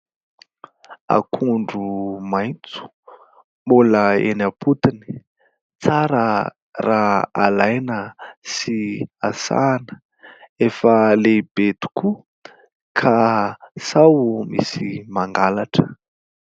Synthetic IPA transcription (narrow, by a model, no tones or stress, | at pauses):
a̰kʰuɳɖ͡ʐumajnt͡su̥ | muləenapʰut̪ini̥ | t͡saɾə | raalajnəsiasa̰nə̥ | efəleb̥et̪u̥ku | kʰasawmḭsimaŋɡalaʈ͡ʂə̥